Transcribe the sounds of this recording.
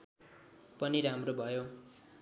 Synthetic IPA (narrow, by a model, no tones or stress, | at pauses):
pʌniɾamrobʱʌjo